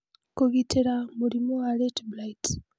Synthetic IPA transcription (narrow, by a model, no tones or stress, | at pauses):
kuɣitʰiɾamuɾimowaɾetblait